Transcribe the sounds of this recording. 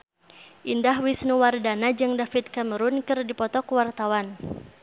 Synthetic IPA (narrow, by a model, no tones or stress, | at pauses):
ʔindahwisnuwardanad͡ʒɨŋdafit̪̚kaməɾunkɨrdipɔt̪ɔkwart̪awan